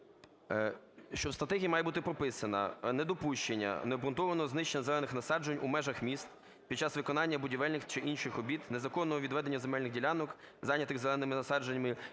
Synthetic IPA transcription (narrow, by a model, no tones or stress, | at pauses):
ʃt͡ʃɔwst̪ɾɐt̪ɛɦʲijimɑjɛbut̪ɪpɾɔpɪsɐnɐ̰nɛd̪ɔpuʃt͡ʃenʲːɐ̰nɛɔbɾʊnt̪ɔʋɐnɔznɪʃt͡ʃenʲɐzelɛnɪxnɐsɑd͡ʒenʲumɛʒɐxmʲist̪ | pʲid̪t͡ʃɑsʋɪkɔnɑnʲːɐbʊdʲiʋɛlʲnɪxt͡ʃɪʔinʃɪxɔbʲit̪nezɐkɔnːɔɦɔʋʲid̪ʋɛd̪enʲːɐzemɛlʲnɪxdʲilʲanɔk | zɑnʲɐt̪ɪɣzelˠɛnɪmɪnɐsɑd͡ʒenʲmɪ